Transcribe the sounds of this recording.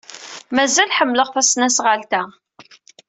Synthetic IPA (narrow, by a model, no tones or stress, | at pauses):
mæzælħəmːləʁfæsnæsʁəlt̪æ